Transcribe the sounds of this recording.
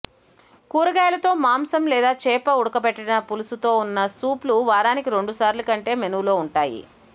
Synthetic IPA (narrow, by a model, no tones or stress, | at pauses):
kuːɾɐɡaːjɐlɐt̪o̞ːmaːmsɐmlɛːd̪aːt͡ʃɛːpɐuɽɐkɐpɛʈːɐnɐpulusut̪o̞ːunːɐsuːpluʋaːɾaːnikiɾe̞ɳɖusaːɾlɐkɐɳʈe̞ːmenulo̞ːuɳʈaːjḭ